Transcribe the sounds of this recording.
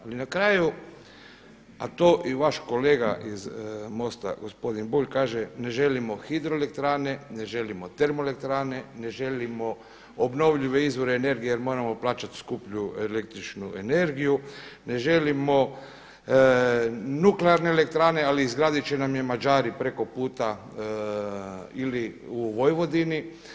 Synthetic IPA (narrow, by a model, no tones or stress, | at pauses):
alinakɾaːju | a̰t̪oːʔiʋaʃko̞le̞ːɡa̰ʔizmo̞st̪a̰ɡo̞spo̞d̪inbuʎkaːʒene̞ʒe̞limo̞xid̪ɾoelek̚t̪ɾaːne̞ne̞ʒe̞limo̞t̪e̞ɾmoele̞k̚t̪ɾaːne̞ne̞ʒe̞limo̞ | obno̞ʋʎiʋe̞izʋo̞ɾeːne̞ɾɡijejeɾmo̞ːɾamo̞plˠaːt͡ʃat̪skupʎuelek̚t̪ɾit͡ʃnue̞ne̞ɾɡijune̞ʒe̞limo̞ | nukleaɾne̞ele̞k̚t̪ɾaːne̞aliːzɡɾaːd̪it͡ʃe̞namjemad͡ʒaːɾipɾe̞ko̞puːt̪a | ili | uʋo̞jʋo̞d̪ini